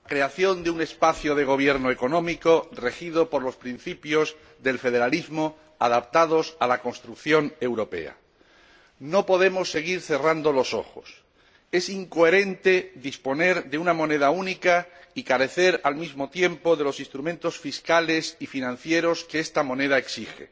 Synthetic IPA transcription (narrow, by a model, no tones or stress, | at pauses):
akɾe̞aθjo̞nd̪eune̞spaθjoð̞e̞ɣ̞o̞β̞je̞ɾnoeko̞nõ̞miko̞re̞xið̞o̞po̞ɾlo̞spɾinθipjo̞z | ðe̞lfe̞ð̞e̞ɾalizmo̞ | aðapt̪að̞o̞salako̞nst̪ɾukθjo̞ne̞wɾo̞pe̞̰a̰ | no̞po̞ðe̞mo̞sːe̞ɣ̞iɾθe̞rand̪o̞lo̞so̞̰xo̰s | e̞siŋkoe̞ɾẽ̞nt̪e̞ðispo̞ne̞ɾðeunamo̞ne̞ðaunikaikaɾe̞θe̞ɾalmizmo̞t̪je̞mpo̞ðe̞lo̞sĩnst̪ɾumẽnt̪o̞sfiskale̞sifinãn̟θje̞ɾo̞skeest̪amõ̞ne̞ð̞aeksixe̞̰